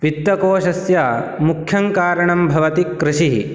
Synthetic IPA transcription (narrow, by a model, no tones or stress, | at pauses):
ʋit̪ːɐkoːʃɐsjamukʰjɐŋkaːɾɐɳɐmbʱɐʋɐt̪ikɾɪʃiɦḭ